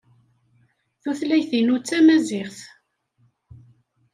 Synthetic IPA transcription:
θuθlæjθinut͡sːæmæzɪχθ

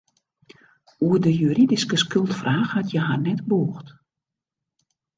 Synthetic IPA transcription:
uədəjyridiskəskʏlˠtfraːxhatʰjəɦarnɛtboːxt

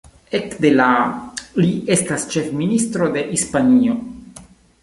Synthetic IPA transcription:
ekd̪elaliest̪ast͡ʃe̞fminist̪ɾo̞d̪e̞ʔispanio̞

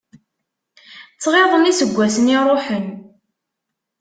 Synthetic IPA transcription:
t͡sːʁeðˤənisəɡʷːæsənirˤoħən

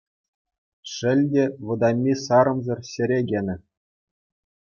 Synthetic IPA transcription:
ʂɘ̆lʲdʲeʋɤ̆d̪ɑmʲːisɑɾɤ̆mzɤ̆rɕɘ̆ɾʲeɡʲenʲɘ̆

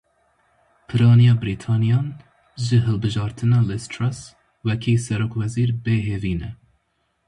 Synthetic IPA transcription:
pʰɨɾɑːnijɑːbɨɾiːt̪ʰɑːnijɑːn | ʒɨɦɨlbɨʒɑːɾt̪ʰɨnɑːlɪst̪ʰɾas | wɛkʰiːsɛɾoːkwɛziːɾbeːɦeːviːnɛ

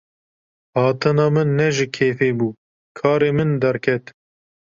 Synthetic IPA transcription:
hɑːt̪ɨnɑːmɨnːɛʒɪkʰeːfeːbuː | kʰɑːɾeːmɨnd̪ɛɾkʰɛt̪

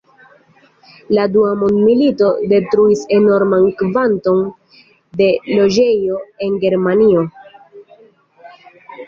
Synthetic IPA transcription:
laduamondmilito̞de̞tɾuise̞no̞ɾmankvanto̞n | de̞lo̞d͡ʒe̞jo̞e̞nɡe̞ɾmanio̞

